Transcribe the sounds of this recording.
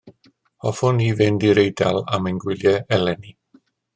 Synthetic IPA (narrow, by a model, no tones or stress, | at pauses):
ɔfʊniːvɪndiɾejdalˠa̰mɛnɡwɪljɛɛlɛni